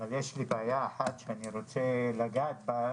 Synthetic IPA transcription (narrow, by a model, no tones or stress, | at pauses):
valjeʃlibeajaːħat̪ʃeaniʁo̞t͡selaɡat̪̚ba